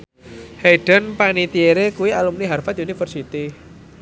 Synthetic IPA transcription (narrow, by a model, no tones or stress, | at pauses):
heɖ̥ə̤npanit̪ieɾekuwialumniɦarfat̪iunifərsit̪i